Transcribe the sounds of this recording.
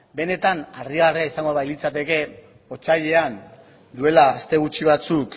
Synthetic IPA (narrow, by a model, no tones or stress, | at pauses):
be̞ne̞t̪anariɣareaisaŋɡo̞βajlit͡sat̪e̞ke̞ | o̞t͡ʃaʎe̞an | d̪ue̞laːst̪e̞ɣ̞ut͡ʃiβat͡suk